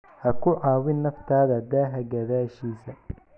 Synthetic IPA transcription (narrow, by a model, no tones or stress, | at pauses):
hɐkʰʊʕɑːwɪnːɐft̪ʰaːðɐd̪aːɦɐɡɐðaːʃiːsɐ